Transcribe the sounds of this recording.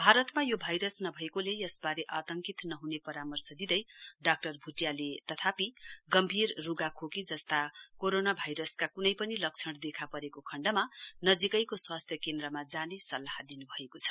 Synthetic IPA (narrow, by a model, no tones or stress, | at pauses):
bʱaɾʌt̪majobʱajɾʌsnʌbʱʌekolejʌsbaɾeʔat̪ʌŋkit̪nʌɦunepʌɾamʌrsʌd̪id̪ʌjɖak̚ʈʌrbʱuʈjalet̪ʌt̪ʰapiɡʌmbʱirːuɡakʰokid͡zʌst̪akoɾonabʱajɾʌskakunʌjpʌnilʌk̚t͡sʰʌɽd̪ekʰapʌɾekokʰʌɳɖʌmanʌd͡zikʌjkoswast̪ʰjʌkend̪ɾʌmad͡zanesʌlːaɦad̪inubʱʌekot͡sʰʌ̥